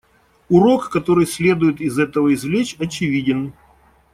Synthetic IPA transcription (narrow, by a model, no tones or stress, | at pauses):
ʊɾo̞kːɐt̪o̞ɾɨjsʲlʲe̞d̪ʊjɪt̪ɪzɛt̪əvəɪzvlʲet͡ɕʲɐt͡ɕɪvʲidʲɪn